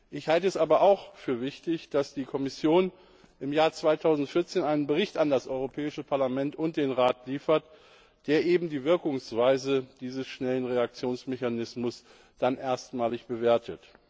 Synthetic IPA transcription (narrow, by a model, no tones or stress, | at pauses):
ʔɪçhaltəɛsʔaːbɐʔaʊxfyːɐvɪçtɪçd̥asd̥iːkʰɔmɪsjoːn | ʔɪmjaːɐt͡sv̥aɪtʰaʊzn̩tfɪɐt͡seːnaɪnənbəʁɪçtandasʔɔʏʁopʰɛːɪʃəpʰaɐlamɛntʊnt̚d̥eːnʁaːtliːfɐt | d̥eːɐʔeːbm̩diːvɪɐkʊŋsv̥aɪzəd̥iːzəsʃnɛlənʁeak̚t͡sjoːnsmɛçanɪsmʊs | d̥anʔeːɐstmaːlɪçb̥əveːɐtʰət